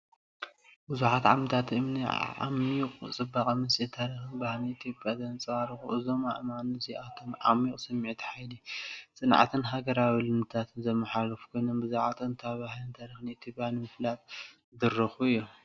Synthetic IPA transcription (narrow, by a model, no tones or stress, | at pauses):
bɨzuħat̪ʕa̰mt̪ʰat̪ʔɨmniʕa̰mqʼt͡sʼɨbakʼɐmɨsʼit̪ʰaɾixɨnbahliit̪ʰjo̞pʼjazɐnt͡sʼɐwaɾixuʔɨzo̞ma̰ʔɨmanoziʔat̪ʰomʕa̰mikʼsɐmːiʕit̪ʰħajlit͡sʼɨnʕa̰t̪ʰɨnɦaɡɐɾawilɨmɨt̪ʰat̪ʰɨnzɐmːɐħalɐfu̥kʰo̞jno̞mbɨzuʕat̪ʰʼɨnt̪ʰaβahlint̪ʰaɾixɨnit̪ʰjo̞pʼjanimɨflat̪̚ | d̪ɨɾɐxuɨjːu